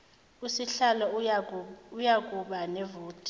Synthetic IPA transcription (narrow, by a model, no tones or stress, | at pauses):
usiɬalɔ | ujak̬ʼuɓanɛvoːtʰʼi̥